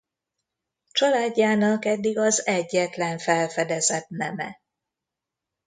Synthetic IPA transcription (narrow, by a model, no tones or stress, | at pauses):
t͡ʃɒlaːɟːaːnɒkɛd̪ːiɡɒzɛɟːɛt̪lɛɱfɛlfɛd̪ɛzɛt̪nɛmɛ̰